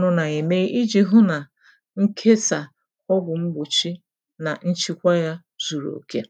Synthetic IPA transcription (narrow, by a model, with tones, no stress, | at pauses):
nʊ˦na˨e˨me˦ʔi˦d͡ʒi˨ɦʊ˦na˨ | ŋ̩˦kʰe˦sa˨ | ɔ˦ɡʊ˨ŋ͡m̩˦ɡ͡bʊ˨t͡ʃi˦ | na˨n̩˦t͡ʃi˦kʷa˦ja˦ | zu˨ɾo̰˨ke˦